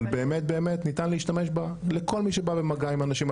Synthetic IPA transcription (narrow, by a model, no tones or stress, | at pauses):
lbeːmet̪̚beːme̞t̪nit̪anleiʃtame̞ʃbaleko̞lmiʃebabe̞maɡaimanaʃim